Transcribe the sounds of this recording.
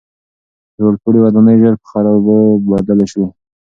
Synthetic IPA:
d͡ʒoɽpuɽiwad̪ɑnəjʒəɾpə̥xaɾɑbəbad̪alaʃwu

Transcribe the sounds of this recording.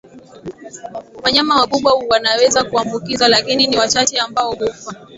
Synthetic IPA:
waɲamawakuɓwauwanawɛzakuambukizalakininiwat͡ʃat͡ʃɛambaɔhufa

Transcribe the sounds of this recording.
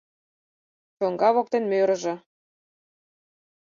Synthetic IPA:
ʃoŋɡɑβok̚t̪enmøɾɤ̆ʒɤ̆

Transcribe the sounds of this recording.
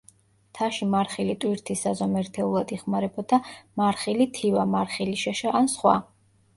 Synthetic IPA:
t̪ʰaʃimaɾχilit̪ʼwiɾt̪ʰisazɔmɛɾt̪ʰɛulˠad̪iχmaɾɛbɔd̪amaɾχilit̪ʰivamaɾχiliʃaʃaʔansχwa̰

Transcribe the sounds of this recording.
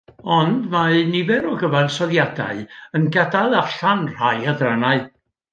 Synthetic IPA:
ɔndmanɪvɛɾɔɡəvansɔðjada̰ɨənɡadaðaɬanr̥ajaðranaɨ

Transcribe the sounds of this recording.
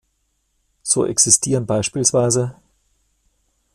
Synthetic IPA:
z̥oːʔɛ̰ksistʰiːʁənbaɪʃpiːlsv̥aɪzə

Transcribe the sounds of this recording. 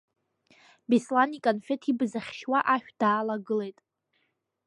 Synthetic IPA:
bislanikʼonfe̞tʰibzaχʲʃwaʔaʃᶣd̥aːlaɡɨle̞jtʼ

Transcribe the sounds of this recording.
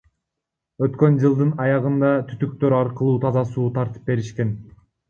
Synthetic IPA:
ø̞t̪kø̞nd͡ʒɯlˠd̪ɯnɑjɑʁɯnd̪ɑt̪ʰy̥t̪yk̚t̪ø̞ɾɑɾqɯlˠuːt̪ʰɑzɑsuːt̪ʰɑɾt̪ɯ̥p̚be̞ɾiʃke̞n

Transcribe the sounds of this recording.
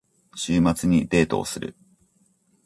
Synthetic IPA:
ɕɨːmat͡sɨɲ̟id̪e̞ːt̪o̞̰ːsɨɾɯ̟̰

